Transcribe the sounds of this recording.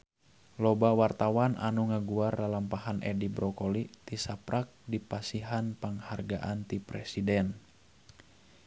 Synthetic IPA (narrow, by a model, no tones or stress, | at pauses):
lɔbawart̪awanʔa̰nuŋaɡuarlalampahanʔɛ̰dibɾɔkɔlit̪isapɾʔak̚dipasiɦanpəŋharɡaʔant̪ipɾɛsidɛn